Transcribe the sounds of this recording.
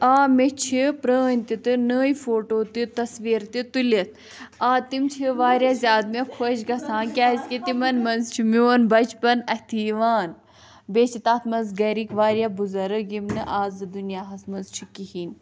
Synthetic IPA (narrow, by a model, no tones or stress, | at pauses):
aːmet͡ʃʰipɾəːnʲt̪it̪ɨnəːjifoːʈoːt̪ɨt̪ɐsʋiːɾt̪it̪ulɐt̪ʰ | aːt̪imt͡ʃʰiʋaːɾjaːzʲjaːd̪mekʰoʃɡɐsaːnkʲaːizkit̪imɐnmɐnzt͡ʃʰimʲoːnbɐt͡ʃpɐnɐht̪ʰiʋaːn | bet͡ʃʰit̪aːt̪ʰmɐnzɡɐɾikʋaːɾjabuzɐɾɨɡimnɨʔaːzɨd̪unjaːɦɐsmɐnzt͡ʃʰikihiːn